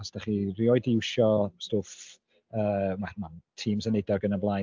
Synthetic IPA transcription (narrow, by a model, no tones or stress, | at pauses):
asd̥aχiriɔɨdɪwʃɔstoːf | əːmwɛmantʰiːmsənɛdɔɡənəblˠa